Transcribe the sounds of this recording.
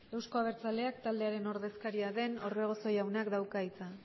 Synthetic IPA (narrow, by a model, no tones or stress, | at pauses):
e̞wsko̞aβe̞ɾt͡sale̞akt̪ald̪e̞aɾe̞no̞ɾðe̞skaɾiaðe̞no̞ɾβe̞ɣ̞o̞so̞jawnakd̪awkait͡sa